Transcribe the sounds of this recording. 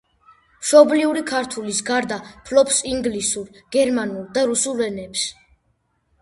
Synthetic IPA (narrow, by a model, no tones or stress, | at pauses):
mʃɔbliuɾikʰaɾt̪ʰulisɡaɾd̪apʰlɔpsiŋɡlisuɾɡ̥ɛɾmanulˠd̪aɾusulˠɛnɛps